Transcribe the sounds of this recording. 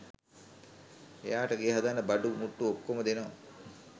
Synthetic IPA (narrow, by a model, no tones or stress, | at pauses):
ḛjaːʈəɡeːɦad̪anːəbaɖumuʈːuokːoməd̪enoʋa̰